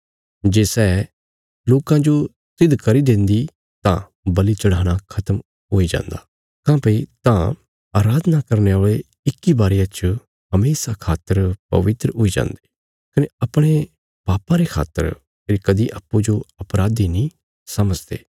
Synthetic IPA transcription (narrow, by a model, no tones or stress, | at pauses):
d͡ʒeːsɛː | loːkãd͡ʒo | sɪd̪kɐɾid̪ẽːnd̪i | t̪ã̰ | bɐlit͡ʃɐɽ̤aːɽ̃akʰɐt̪əm | ɦoːid͡ʒã̰ːnd̪aː | kãːpɐit̪ã | aːɾaːd̪nakɐɾneaːɭe | ɪkːibaːɾijãt͡ʃ | ɦɐmeːsakʰaːt̪əɾpɐ̰ʋɪt̪ɾəɦoːid͡ʒã̰ːnd̪eː | kɐneɐpɽ̃e | paːpãɾekʰa̰ːt̪ːə̰ɾ | pʰɪɾikɐd̪iʔa̰pːud͡ʒoɐpɾaːd̪inĩ | sɐməd͡ʒd̪ḛː